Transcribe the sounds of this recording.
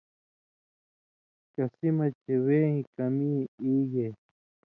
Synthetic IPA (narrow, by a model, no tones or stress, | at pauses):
kasimat͡ʃeweːĩkamiiːje